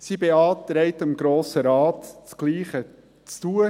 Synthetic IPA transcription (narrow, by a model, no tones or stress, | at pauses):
sibeɑːt̪ɾɛɪtɪmɡɾoːsəɾɑːtt͡sɡ̥liːχə | t͡stuə